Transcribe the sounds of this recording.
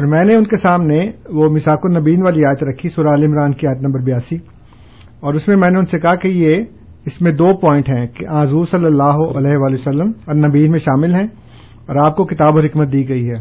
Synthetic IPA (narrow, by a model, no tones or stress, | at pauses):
ɔːɾmɛ̃ːneʊnkesaːmneʋomɪsaːkʊnɐbiːnʋaːliaːjət̪ɾɐkʰːisʊɾaːlɪmɾaːnkiaːjət̪̬nɐ̃mbəɾbɪjaːsi | ɔːɾʊsmẽmɛ̃ːneʊnsekɐɦakeje | ɪsmẽd̪oːpɔ̃ːɪ̃ɳʈɦɛ̃keʔãːzuːɾsɐlːəlːaːɦoʔɐlɛːɦeʋaːlijosɐlːəmɔɾnɐbiːnmẽʃaːmɪlɦɛ̃ː | ɔːɾaːp̚kokɪt̪aːboɦɪkmət̪̚d̪iːɡɐiɦɛː